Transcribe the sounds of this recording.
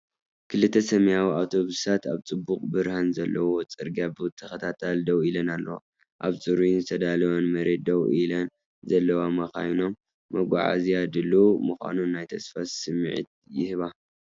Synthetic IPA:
kʰɨlɨt̪ʰːɐsɐmjawiawt̪ʰo̞βɨsat̪aβt͡sʼɨbːukʼbɨɾhanzɐlːɐwo̞t͡sʼɨɾɡabɨwɨt̪ʰːɐxɐt̪ʰat̪ʰald̪ɐwilɐnalːɐ̰wo̰ | ʔa̰βt͡sʼɨɾunzɨt̪ʰɐd̪alwonmɐɾe̞t̪̚d̪ɐwilɐn | zɐlːɐwamɐxa̰jno̞mː | ɐɡʷa̰ʕa̰zijad̪ɨlumɨxʷa̰nunajt̪ʰɐsfassɨmɨʕḭt̪̚jɪhɨβa

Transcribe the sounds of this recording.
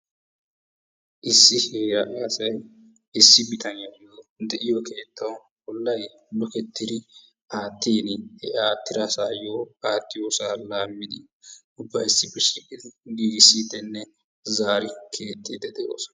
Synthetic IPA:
ʔɪsːɪheːɾɐʔaːsɐj | ɪsːɪbɪt̪ʰɐnɪjɐɡjod̪ɛʔɪjoke̞ːt̪ːɐw | bɔlːɐj | lɔkɛt̪ʰːɪd̪ɪ | aːt̪ːiːnhɛaːt̪ːɪɾasaːjoːaːt̪ːɪjoːsaːlaːmːɪd̪ɪ | ʊbːɐjɪsːɪbɪʃɪkʼːɪd̪ɪɡiːɡsiːt̪ːɛnːɛ | zaːɾɪkʰe̞ːt̪ʼːid̪ɛd̪ɛʔo̰ːsɐ̥

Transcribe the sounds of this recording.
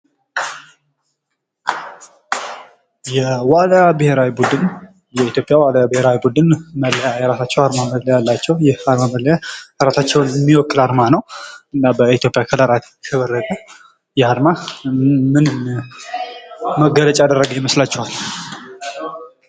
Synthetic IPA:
jɛwalabɨhe̞ɾawibud̪ɨn | jɛit̪ʰjo̞pʼjawalabɨhe̞ɾawibud̪ɨnmələjajɛɾasat͡ʃːɛwaɾmamələjalːat͡ʃːɛwjɛaɾmaməljaɾasat͡ʃːɛwnɛmːiwɔkʼːɨlaɾmanəwʔɨnːabəit̪jo̞pʼjakʰələɾat̪ | kʰəβərːəkʼə | jɛhaɾmaː | ɨnɨm | məɡələt͡ʃʼaad̪ərːəɡəjɛməslat͡ʃːɛhal

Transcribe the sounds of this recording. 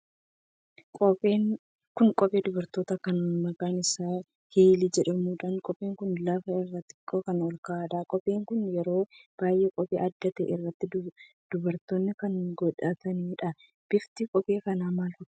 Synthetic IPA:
kʼɔpʼeːŋ | kʊnkʼɔpʼeːd̪ʊbɐɾt̪o̞ːt̪ɐkɐnmɐkʼaːnɪsaː | heːliːd͡ʒɛᶑɐmuːᶑaːnkʼɔpʼeːŋkʊnlɐfɐɪrːɐt̪ːɪkʼːoːkɐnɔlkɐaːᶑɐkʼɔpʼe̞ːŋkʊnjɛɾo̞ːb̥aːjʔɛkʼɔpʼḛːʔɐd̪ːɐt̪ḛːʔɪrːɐt̪ːɪd | d̪̥ʊbɐɾt̪oːnːɪkɐnɡɔᶑaːt̪ɐniːᶑɐ | b̥ɪft̪ikʼɔpʼe̞ːkɐnaːmaːlfʊt̪

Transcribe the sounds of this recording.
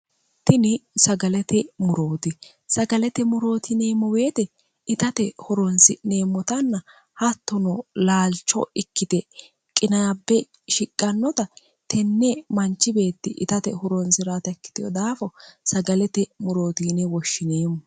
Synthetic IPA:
t̪ɪnɪsɐɡɐlɛt̪ɛmʊɾoːt̪ɪ | sɐɡɐlɛt̪ɛmʊɾo̞ːt̪ʰɪne̞ːmːɔweːt̪ɛ | ɪt̪ɐt̪ɛhʊɾɔnsɪne̞ːmːɔt̪ɐnːɐ | hɐt̪ːɔnɔlaːlt͡ʃːɔ̰ɪkːɪt̪ɛ | kʼɪnaːbːɛ | ʃɪkʼːɐnːɔt̪ɐ | t̪ɛnːɛmɐnt͡ʃːɪbe̞ːt̪ːɪʔɪt̪ɐt̪ɛhʊɾɔnsɪɾat̪ɐkːɪ̥t̪ɪjɔ̰d̪aːfɔsɐɡɐlɛt̪ɛmʊɾoːt̪iːnɛwɔʃːɪneːmːɔ

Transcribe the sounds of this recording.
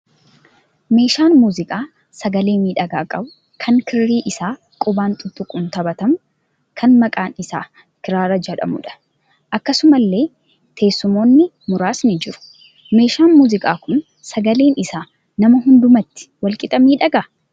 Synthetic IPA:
me̞ːʃaːnmuːzɪkʼaː | sɐɡɐle̞ːmiːᶑɐɡaːkʼɐbʊ | kʰɐŋkʰɪɾːiːʔɪsaː | kʼʊbaːnt̪ʼʊt̪ʼːʊkʼːʊnt̪ɐbɐt̪ɐmʊ | kʰɐnmɐkʼaːnɪsa̰ː | kɪɾaːɾɐd͡ʒɛᶑɐ̰mʊᶑɐ̥ | ʔɐkːɐsʊmɐlːe̞ː | t̪ʰe̞ːsːʊmo̞ːnːɪ | mʊɾaːsnɪd͡ʒɪɾʊ̥ | me̞ːʃaːnmuːzɪkʼaːkʊn | sɐɡɐle̞ːnɪsaː | nɐmɐɦʊnd̪ʊmɐt̪ːɪ̥wɐlkʼɪt̪ʼɐmiːᶑɐɡaː

